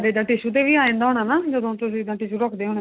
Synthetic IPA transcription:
ɾeːd̪ãːʈɪʃut̪̬eʋiːaːẽːnd̪aːɦoːɽ̃aːnaːd͡ʒoːd̪õt̪ʊsid̪ãːʈɪʃuɾɔkʰd̪eːɦoːɽ̃

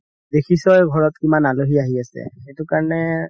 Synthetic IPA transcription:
dekʰisɔjɡʱɔɹɔtkimanaloɦiaɦiasɛ̰xetʊkaɹɔnɛ

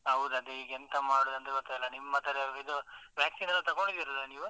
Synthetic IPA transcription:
ɦɐʋd̪uɐd̪uiːɡent̪ɐmaːɽod̪ɐnt̪iʋɐt̪ːɐɛlːɐnimːɐt̪ɐɾeid̪uʋjaːksinɐlːɐt̪ɐɡoɳɖid̪iɾɐlːɐniːʋu

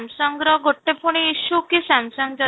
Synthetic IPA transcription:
msɔŋɡɾɔɡoʈːepʰuɽ̃iːʃukisamsɔŋɡd͡ʒɔ

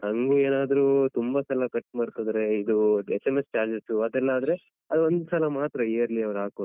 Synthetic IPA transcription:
ɐŋɡueːnaːd̪ɐɾuːt̪umbɐsɐlɐkɐʈːmaːɾkod̪ɐɾe̞id̪uesemest͡ʃaːɾd͡ʒesuɐd̪ɛlːɐaːd̪ɐɾe | ɐd̪uʋond̪usɐlɐmaːt̪ɾɐeːɾliɐʋɐɾɦaːko

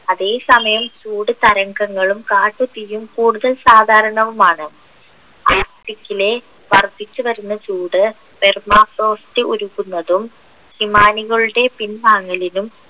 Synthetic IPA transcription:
ɐðe̞ːsɐmɐjɐmt͡ɕuːɽɨt̪ɐɾɐŋɡɐŋːɐɭumkaːʈːut̪ːijumkuːɽuðɐlsaːd̪ʱaːɾɐɳɐʋumaːɳɨ | aːkʈikʲːile̞ | ʋɐrt̪ːit͡ɕːuʋɐɾunːɐt͡ɕuːɽɨ | permaːfroːsʈɨʔuɾuɣunːɐðum | himaːniɣɐɭuɽe̞pinmaːŋːɐlinum

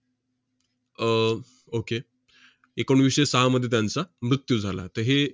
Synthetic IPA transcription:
oke | ekəɳ̃ʋiʂəjsəɦaməd̪ʱjet̪jant͡samɾut̪jud͡zʱala̰t̪əɦe

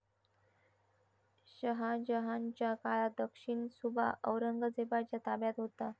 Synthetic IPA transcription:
ɕəɦad͡ʑəɦaɲt͡ɕjakalad̪əkʂiɳsubʱa̰ʔəʋɾəŋɡəd͡zebat͡ɕjat̪abjat̪ɦot̪a

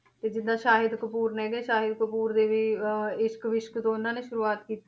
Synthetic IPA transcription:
t̪eːd͡ʒɪd̪ãːʃaːɦɪd̪kəpuːɾnɛːɡeːʃaːɦɪd̪kəpuːɾd̪eːʋiːɪʃkʋɪʃkt̪õːʊnãːneːʃʊɾuːaːt̪kiːt̪

